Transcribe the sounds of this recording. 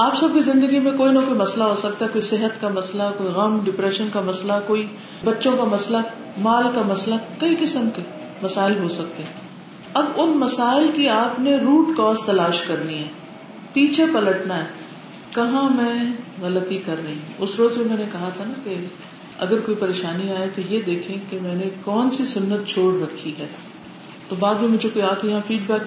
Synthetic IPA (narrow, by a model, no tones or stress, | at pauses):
aːpsɐb̚kizɪ̃nd̪əɡimẽkoːinɐkoːimɐslaɦosɐk̚t̪aɦɛkoːisɪɦət̪kamɐslakoːiɣɐmɖɪpɾɛːʃənkamɐslakoːi | bɐtːʃõkamɐsla | maːlkamɐslakɐikɪsəmke | mɐsaːɪlɦosɐk̚t̪eɦɛ̃ | ɐbʊnmɐsaːɪlkiaːpneɾuːʈkɔːst̪ɐlaːʃkɐɾniɦɛː | piːt͡ʃʰepɐləʈnaɦɛː | kɐɦãmɛ̃ɣɐlət̪ikɐɾnɐĩɦũʊsɾoːzmemɛ̃ːnekɐɦat̪ʰanake | ɐ̰ɡəɾkoːipɐɾeːʃaːniaːẽt̪ojed̪eːkʰẽkemɛ̃ːnekɔːnsisʊnːət̪̚t͡ʃʰoːɽɾɐkʰːiɦɛː | t̪obaːd̪mẽmʊd͡ʒekoːiãːkʰejɐɦãfiːɖbɛːk